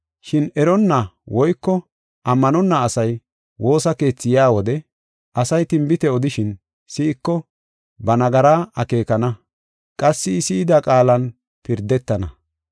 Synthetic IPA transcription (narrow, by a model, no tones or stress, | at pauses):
ʃɪnɛɾɔnːɐwɔjkːɔ | ʔɐmːɐnɔnːɐːsɐj | wo̞ːsɐke̞ːt͡sːɪjaːwɔd̪ɛ | ʔɐsɐjt̪ɪmbɪt̪ɛɔd̪ɪʃɪn | sɪɪkːɔ | bɐnɐɡɐɾaːʔɐke̞ːkɐnɐ | kʼɐsːɪːsɪːd̪akʼaːlɐn | pɪɾd̪ɛt̪ːɐnɐ